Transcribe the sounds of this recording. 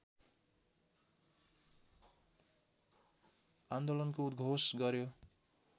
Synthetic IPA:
and̪olʌnkoud̪ɡʱosɡʌɾjo

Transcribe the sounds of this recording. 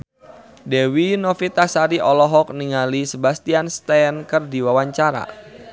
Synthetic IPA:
dewinɔfit̪asaɾiʔɔlɔɦɔk̚niŋalisəbast̪ianst̪ɛnkərdiwawaɲt͡ʃaɾa̰

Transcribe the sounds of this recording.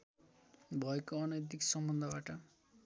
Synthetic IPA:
bʱʌekoʌnʌjt̪̬iksʌmbʌnd̪ʱʌbaʈʌ

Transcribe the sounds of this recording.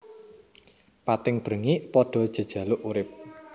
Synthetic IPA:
pat̪ɪŋb̥ɾə̤ŋiʔpɔɖ̥ɔ̤d̥ʒ̥ə̤d̥ʒ̥ä̤lʊʔuɾɪp̚

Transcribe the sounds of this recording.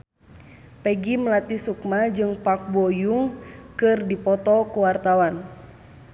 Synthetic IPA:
pɛɡiməlat̪isukmad͡ʒɨŋpak̚bɔjuŋkɨrdipɔt̪ɔkuwart̪awan

